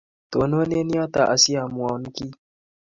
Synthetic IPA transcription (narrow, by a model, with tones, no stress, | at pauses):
t̪o˨no˦ne˦ni˦ɔ˦t̪a˨ʔa˨si˦a˨mu˨a˨n˦ki˦